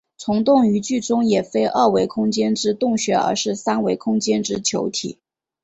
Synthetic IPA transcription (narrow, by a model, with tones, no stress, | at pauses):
t͡sʰʊ˧˥ŋt̪ʊ˥˩ŋy˧˥t͡ɕy˥˩ʈ͡ʂʊ˥ŋjɛ˨˩fe˥ɪʔə˥˩we˧˥ɪkʰʊ˥ŋt͡ɕjɛ˥nʈ͡ʂɻ̩˥t̪ʊ˥˩ŋɕɥɛ˧˥ə̰˧˥ʂɻ̩˥˩sa˥nwe˧˥ɪkʰʊ˥ŋt͡ɕjɛ˥nʈ͡ʂɻ̩˥t͡ɕʰjo˧˥ʊt̪ʰḭ˨˩˦